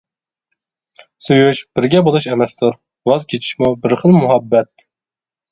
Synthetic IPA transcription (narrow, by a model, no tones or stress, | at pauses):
sujuʃb̥ɪɾɡʲɛbolˠuʃemɛst̪ʰuɾ | wɑzkʲʰet͡ʃʰi̥ʃmubɪɾχəlˠmuɦɑbːɛt̪̚